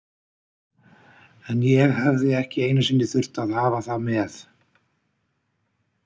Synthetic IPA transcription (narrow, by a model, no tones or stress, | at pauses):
ɛnjɛɣhɛvðɪɛhcɪeːjnʏsɪnːɪθʏr̥t̪aðhaːvaθamɛθ